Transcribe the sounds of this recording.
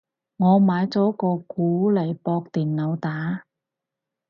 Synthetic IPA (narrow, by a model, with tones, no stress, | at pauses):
ŋɔː˨˧maː˨˥jt͡sɔː˨˥kɔː˧kuː˨˥lɐ˨˩jpɔː˧k̚t̪iː˨˩nnɐ˨˧wt̪aː˨˥˦